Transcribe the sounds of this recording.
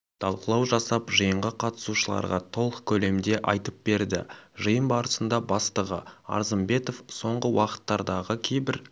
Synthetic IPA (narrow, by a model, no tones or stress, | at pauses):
t̪ʰɑlˠqəlˠɑwʒɑsɑpʒəjəɴʁəqʰɑt̪ə̥suʃəlˠɑ̰ɾʁɑt̪ʰo̞lˠqkʲʰɵle̞md̪e̞ʔɑjt̪əp̚b̥e̞ɾd̪ɪʒəjəmbɑɾəsənd̪ɑbɑst̪əʁəɑ̰ɾzəmbe̞t̪o̞fso̞ɴʁəwɑqə̥t̪ːɑɾd̪ɑʁəkʲʰe̞jbɪɾ